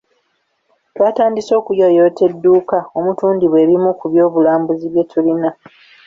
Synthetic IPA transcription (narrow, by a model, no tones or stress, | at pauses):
twaːtaːndiso̞ːkujo̞jo̞ːte̞dːuːkao̞mutuːndiβwe̞ːβimukuβjo̞ːβulaːmbuziβje̞tʰulina